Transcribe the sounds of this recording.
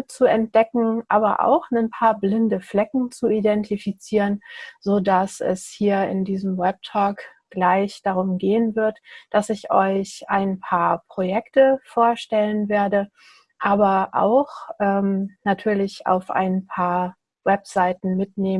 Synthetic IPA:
t͡suɛnt̚d̥ɛkŋ̩ʔaːbɐʔa̰ʊxnənpʰaːɐblɪndəflɛkŋ̩t͡suidɛntʰifit͡siːʁənzoːdasɛ̰shiːɐɪ̰ndiːzəmwɛp̚tʰɔːk | ɡ̥laɪçd̥aʁ̞ʊmɡeːənvɪɐtd̥asɪçʔɔʏçʔaɪnpʰaːɐpʁ̥ojɛktəfoːɐʃtɛlənveːɐdə | ʔaːbɐʔa̰ʊxʔɛːmnatʰyːɐlɪça̰ʊfʔa̰ɪnpʰaːɐ | wɛpz̥aɪtn̩mɪtneː

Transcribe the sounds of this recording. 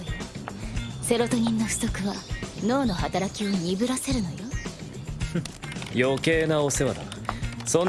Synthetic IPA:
se̞ɾo̞t̪o̞ɲ̟ĩnːo̞ɸɯ̟̥so̞kɯ̟βano̞ːno̞hat̪aɾakʲio̞ɲ̟ʲibɯ̟ɾase̞ɾɯ̟no̞jo | joke̞ːnaose̞βad̪a̰nasõn

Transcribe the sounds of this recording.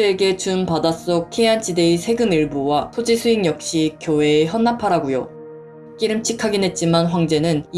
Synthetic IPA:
eɡe̞t͡ɕumpadas͈ok̚kʰeant͡ɕide̞isʰe̞ɡɯmiɭbuwatʰod͡ʑisʰuiŋjʌk̚ɕ͈ikjowe̞ːçjʌnːapʰaɾaɡujo̰ | k͈iɾɯmt͡ɕʰikʰaɡinɦe̞t̚t͡ɕ͈imanɸwaŋd͡ʑe̞nɯn

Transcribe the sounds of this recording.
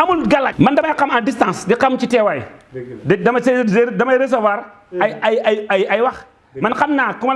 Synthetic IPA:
amulɡalamandamaakamadistãnsdikamt͡ʃitewaḭdidamaseeɾdamaeɾes̬avaɾ | aajaajajiwak | mankamnakuma

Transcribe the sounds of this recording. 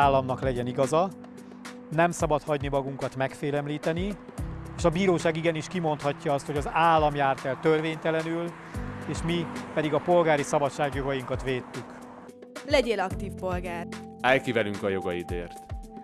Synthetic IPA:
aːlːɒmnɒklɛɟɛniɡɒzɒ | nɛmsɒbɒt̪hɒɟnimɒɡuŋkɒt̪mɛkfeːlɛmliːt̪ɛni | eːʃɒbiːɾoːʃaːɡiɡɛniʃkimo̞nt̪hɒcːɒɒst̪ho̞ɟɒzaːlːɒmjaːrt̪ɛlt̪ørveːɲt̪ɛlɛnyl | eːʃmipɛd̪iɡɒpo̞lɡaːɾisɒbɒtt͡ʃːʃːaːɡjo̞ɡɒjiŋkɒt̪ʋeːt̪ːyk | lɛɟeːlɒkt̪iːfpo̞lɡaːr | ɛjkivɛlyŋkɒjo̞ɡɒid̪ḛːrt̪

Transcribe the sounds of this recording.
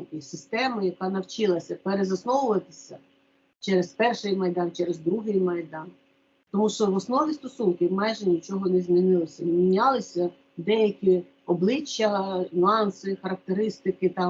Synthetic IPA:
kɪsʲɪst̪ɛmɪjɐkɑnɐwt͡ʃɪlˠɐsʲɐpeɾezɐsnɔʋʊʋɐt̪ɪ̥sʲɐ | t͡ʃɛɾespɛrʃɪjmɐjd̪ɑnt͡ʃɛɾezd̪ɾuɦɪjmɐjd̪ɑn | t̪ɔmuʃt͡ʃɔʋɔsnɔʋʲist̪ɔsunkɪmajʒɛnʲit͡ʃɔɦɔnɛzmʲinɪlˠɪsʲɐmʲinʲɑlˠɪsʲɐ | d̪ɛjɐkʲi | ɔblˠɪt͡ʃːɐnʲʊɑnsɪxɐɾɐk̚t̪eɾɪst̪ɪkɪt̪ɑ

